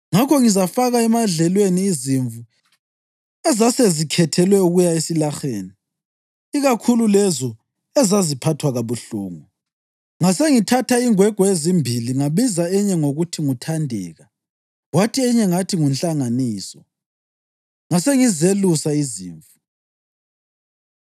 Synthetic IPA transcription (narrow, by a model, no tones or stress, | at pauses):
ŋakʰɔŋizafaɣaɛmaɮɛlweniːziɱvu | ɛzasezikʰɛtʰɛlwɛuɣujaesilaxeːni | iɣakʰululɛzɔ | ɛzazipʰatʰwaɣaβuɬṵːŋu | ŋaseŋitʰatʰaiŋwɛɡ̥ʱɔezimbʱiliŋaβizaɛɲɛŋoɣutʰiŋutʰandʱɛ̰ːɣa | ɣwatʰiɛɲɛŋatʰiŋunɬaŋaniːsɔ | ŋaseŋizelusaizḭːɱvu